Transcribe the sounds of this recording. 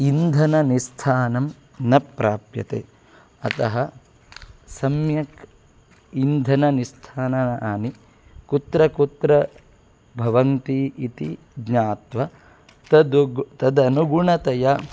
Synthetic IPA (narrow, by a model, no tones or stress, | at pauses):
ind̪ʱɐnɐnist̪ʰaːnɐm | nɐpɾaːpjɐ̰t̪ḛː | ɐ̰t̪ɐɦɐ | sɐmjɐk | ind̪ʱɐnɐnist̪ʰaːnɐnɐʔaːni | kut̪ɾɐkut̪ɾɐ | bʱɐʋɐnt̪iit̪i | ɡɲaːt̪ʋɐ | t̪ɐd̪ɡt̪ɐd̪ɐnuɡuɳɐt̪ɐjɐ